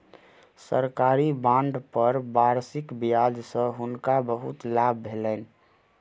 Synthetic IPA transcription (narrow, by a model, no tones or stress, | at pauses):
sə̰ɾkaːɾibãːɳɖpəɾbaːɾsɪkbijaːd͡ʒsə̃ɦʊnkabəɦut̪laːb̚ːʱeːlən